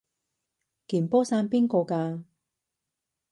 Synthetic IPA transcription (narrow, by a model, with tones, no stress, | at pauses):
kiː˨˩npɔː˥saː˧npiː˥nkɔː˧kaː˧